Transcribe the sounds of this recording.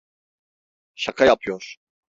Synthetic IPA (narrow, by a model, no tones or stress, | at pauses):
ʃakʰajapʰɯjoɾ̥